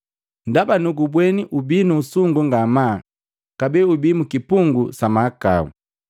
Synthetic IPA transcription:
ndabanuɡubwɛniʔubiːnuːsuŋɡuŋɡama | kabɛubiːmukipuŋɡusamaka̰ṵ

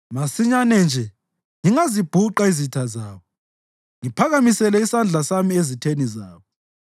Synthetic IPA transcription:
masiɲanɛnd͡ʒʱɛ | ŋiŋazib̥ʱuǃaizitʰazaːβɔ | ŋipʰaɣamisɛlɛisand͡ɮʱasamiezitʰenizaːβɔ

